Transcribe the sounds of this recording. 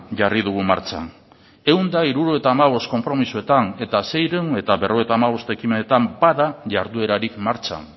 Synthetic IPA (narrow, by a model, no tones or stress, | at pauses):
ʝariðuɣuma̰ɾt͡ʃa̰n | e̞wnd̪aiɾuɾoe̞t̪aːmaβ̞o̞st̪̚ko̞mpɾo̞misue̞t̪ane̞t̪ase̞jɾene̞t̪aβe̞roet̪aːmaβ̞o̞st̪ekimenet̪ambaðaʝaɾðue̞ɾaɾikmaɾt͡ʃa̰n